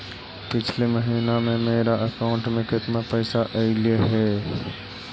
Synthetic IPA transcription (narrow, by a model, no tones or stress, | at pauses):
pɪt͡ʃʰleməɦiːnamẽmeːɾaʔəkaʊ̃ɳʈmẽkɪt̪napɛːsaʔɐɪlieɦɛː